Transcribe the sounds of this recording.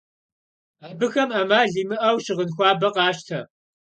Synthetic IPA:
abɨxɐmɐmaːɮiːmɨʔɐwʃɪʁənxʷɑːbɐqɑːʃtʰɐ̰

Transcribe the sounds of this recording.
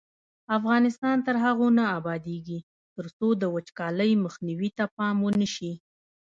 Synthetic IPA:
afɣɑnɪst̪ɑnt̪əɾɦaɣonaːbɑd̪eɡi | t̪əɾsod̪əwət͡ʃkɑləjməxniwit̪apɑmwənəʃi

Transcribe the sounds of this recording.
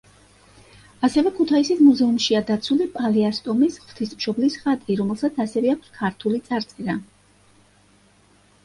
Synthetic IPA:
asɛvɛkʰut̪ʰaisismuzɛumʃiad̪at̪sʰulipʼaliast̪ʼɔmisχv̥t̪ʰismʃɔblisχat̪ʼiɾɔmɛlˠsat̪sʰasɛvɛakʰskʰaɾt̪ʰulit̪sʼaɾt̪sʼɛɾa

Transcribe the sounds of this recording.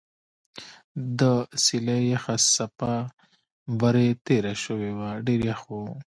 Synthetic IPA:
d̪əsilajexasapa | baɾet̪eɾaʃəwewaɖeɾjaxu

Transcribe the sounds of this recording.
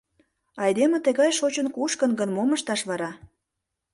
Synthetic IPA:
ɑjd̪emĕt̪ə̆ɣɑjʃot͡ɕənkuʃkənɡənmoməʃt̪ɑʃβɑɾɑ

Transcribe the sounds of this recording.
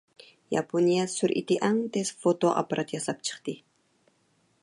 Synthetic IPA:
ja̰pʊniasʊɾʔḭt̪iʔant̪esfot̪oʔa̰pɾʔat̪jasap̚t͡ʃe̥χt̪i

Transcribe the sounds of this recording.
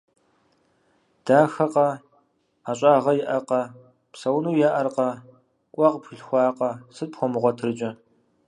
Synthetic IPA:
d̥aːxɐqɐ | aːɕʼɑːʁɐjɪʔɐqɐ | psɐwnuːjaʔɐrqɐ | kʷʼɑqpxɨɬxʷɑːqɐsɨt̚pxʷɔmɨʁʷɔtʰɨrɨt͡ʃʼɐ

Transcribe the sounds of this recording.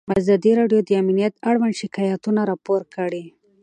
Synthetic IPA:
azɑd̪iɾɑɖjod̪əaminijat̪aɽwand̪ʃɪkɑjat̪unaɾɑpoɾkəɽi

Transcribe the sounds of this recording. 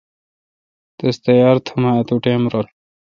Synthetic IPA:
t̪est̪ɐjaɾt̪ʰumat̪uʈeːmɾol

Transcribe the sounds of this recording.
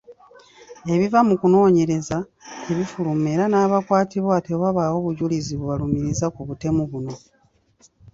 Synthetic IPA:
e̞βivamukuno̞ːɲe̞ɾe̞za | eβifulume̞ːɾanaːβakwaːtiβoatewaβawoβuɟuliziβuβalumiɾizakuβute̞muβuno̞

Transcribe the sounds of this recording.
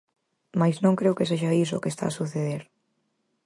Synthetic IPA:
majznõŋkɾewkeseʃaisʊkest̪a̰ːsuθeðeɾ

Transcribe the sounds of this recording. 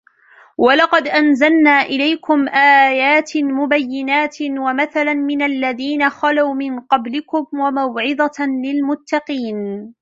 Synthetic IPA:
walɑqɑd̪ʔanzalnaːʔɪlajkʊmʔaːjaːt̪mʊbajːɪnaːt̪wamaθalanmɪnalːaðiːnaxalawmɪnqɑblɪkʊmwamawʕɪd̪ˤɑlɪlmʊt̪ːɑqiːn

